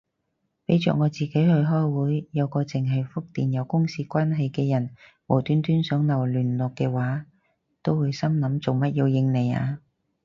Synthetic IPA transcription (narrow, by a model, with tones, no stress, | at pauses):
pe˨˥jt͡ʃœ̰˨k̚ŋɔː˨˧t͡siː˨ke˨˥jhɵ˧ɦɔː˥jwuː˨˥jjɐ˨˧wkɔː˧t͡sɪ˨ŋɦɐ˨jfʊ˥k̚t̪iː˨njɐ˨˩wkʊ˥ŋsiː˧kʷaː˥nɦɐ˨jkɛː˧jɐ˨˩n | wɔː˨˩t̪yː˨˥nt̪yː˥nsœː˨˥ŋnɐ˨˩wlyː˨˩nlɔː˨kːɛː˧waː˨˥ | t̪o˥wːuː˨˧jsɐ˥mnɐ˨˥mt͡so˨wmɐ˥t̚ji˨˧wjɪ˧ŋne˨˩ja̰ː˧